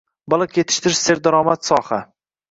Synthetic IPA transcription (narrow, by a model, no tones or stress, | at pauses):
bɒlˠɨqkʰʲjet̪ʰɪ̥ʃt̪ʰɪɾɪʃseɾd̪aɾɒːmat̪sɒːha